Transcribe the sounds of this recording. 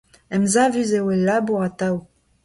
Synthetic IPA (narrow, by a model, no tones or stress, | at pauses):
ɛmzavyzewelːaːbuʁat̪aw